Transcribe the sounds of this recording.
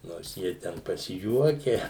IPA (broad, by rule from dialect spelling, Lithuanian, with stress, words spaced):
noːrs ˈjiɛ tʲɛn pɐsʲɪˈjuɔkʲɛ